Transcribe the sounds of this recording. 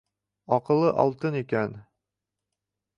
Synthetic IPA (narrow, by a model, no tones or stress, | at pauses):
ɒqɤ̆lˠːɤʔɒ̰lˠt̪ɤnikæn